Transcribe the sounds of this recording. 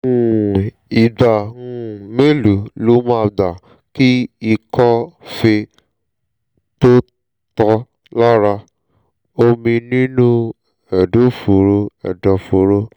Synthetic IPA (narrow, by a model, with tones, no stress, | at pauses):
i˨da˨ũ˦me˦lu˨lo˦mã˦˧da˨ | ki˦i˧kʰɔ˦fe˧ | to˦ | tɔ˧ | la˦ɾa˧ | o˦mĩ˧nĩ˦nũ˦ | ɛ˨do˦fo˨ɾo˧ɛ̰˨dɔ˨fo˧ɾo˦